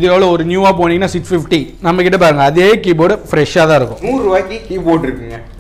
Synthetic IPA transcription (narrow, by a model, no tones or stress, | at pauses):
ɪðɯoːʋɭɐɔɾɯnjuːaːpoːniŋɡɐnaːsɪʈfɪfʈinɐmːɐkɪʈːɐpaːɾɯŋɡɐːðeːkiːboːɽɐfɾɛʂaːt̪ãːɪɾɯkːʊ̃nuːɾɯʋaːkikiːboːɖɪɾɯkːɪŋɡɐ